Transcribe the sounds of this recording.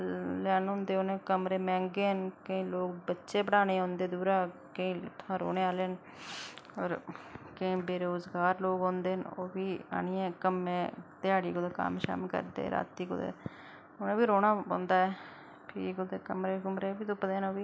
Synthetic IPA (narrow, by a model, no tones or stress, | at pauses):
lɛːnɦõːnd̪eːoːnẽːkəmɾeːmɛ̃ːŋɡeːɦənkəĩːloːk̚bətːʃeːbəɽaːneːɦõːnd̪eːd̪uːɾaːkəĩːt̪ʰfãːɾo̰ːneːaːleːn | ɔːɾkəĩːbeːɾeːʊːzɡaːɾloːɡɦõːnd̪eːənoːbiːa̰ːniẽːkəmẽːt̪ɪaːɽiːkʊd̪eːka̰ːmʃa̰ːmlkə̰ɾd̪ḛːɾa̰ːt̪iːkʊ̰d̪ḛː | oːnẽːbiːɾoːɽaːõ̰ːnd̪aːɛː | pʰɪkʊd̪eːkəmɾeːkʊmɾeːbiːt̪ʊpd̪eːnoːʋiː